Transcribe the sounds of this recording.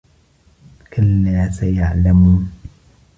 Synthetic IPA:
kʊlːaːsajaʕlamuːn

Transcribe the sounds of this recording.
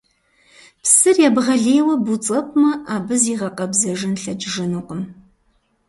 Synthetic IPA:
psɨrjaːbʁɐɮeːwɐbut͡sʼɐpʷʼmɐʔaːbɨziːʁɐqʼɐbzɐʐɨnɬɐd͡ʒʒɨnuqʼʊm

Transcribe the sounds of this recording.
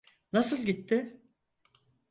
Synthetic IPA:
nasɯlˠɟit̪ʰːɪ

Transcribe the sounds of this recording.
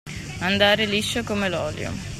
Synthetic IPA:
and̪aːɾeliʃːokomelɔːljo̰

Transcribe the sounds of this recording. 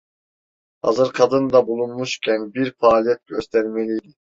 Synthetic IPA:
hɑ̰zɯɾkʰɑd̪ɯnd̪ɑbulˠunmuʃcʲʰɛnbiɾfaːlijɛt̪̚ɡøst̪ʰɛɾmelʲijd̪i

